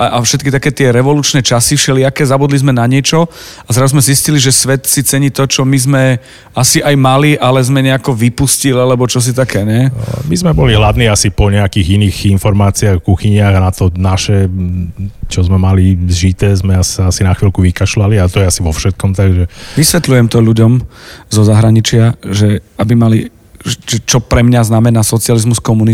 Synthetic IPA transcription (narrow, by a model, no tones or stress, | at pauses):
aʔafʃɛt̪̚kit̪akɛːt̪ɪɛɾɛʋɔluːt͡ʃnɛːt͡ʃasifʃɛlɪakɛzabud̪lizmɛnaɲɪɛt͡ʃɔazɾazuzmɛzisciliʒɛsʋɛt̪sit͡sɛɲit̪ɔt͡ʃɔmizmɛ | asiʔajmaliʔalɛzmɛɲɛakɔʋipuscilalɛbɔt͡ʃɔs̬it̪akɛːɲɛmizmɛbɔliɦlad̪niːasipɔɲɛakiːɣiniːɣinfɔɾmaːt͡siaɣkuxiɲɪaɣanat̪ɔnaʃɛ | t͡ʃɔzmɛmalizʒit̪ɛːzmɛasaasinaxʋilkuʋikaʃlaliat̪ɔjɛasiʋɔfʃɛt̪̚kɔmt̪aɡʒɛʋisʋɛt̪lujɛmt̪ɔʎuɟɔmzɔzaɦɾaɲit͡ʃɪaʒɛabimali | ɛʒɛt͡ʃɔpɾɛmɲaznamɛnasɔt͡sɪalizmuskɔmuni